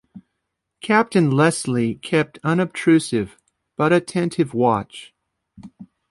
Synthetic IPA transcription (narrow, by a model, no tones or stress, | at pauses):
kʰæp̚tɨ̃nlɛslikʰɛp̚tʰʌ̃nɨb̚tʰɹ̥ʉsɪv | b̥ʌɾɨtʰɛ̃ntʰɨvwɑt͡ʃ